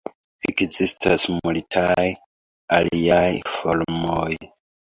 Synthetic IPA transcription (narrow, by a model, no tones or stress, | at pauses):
ekzistʰasmultʰaj | aliajfolmoj